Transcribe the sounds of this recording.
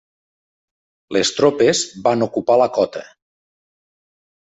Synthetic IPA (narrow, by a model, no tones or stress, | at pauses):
lest̪ɾopezbanukupaləkɔt̪ə̰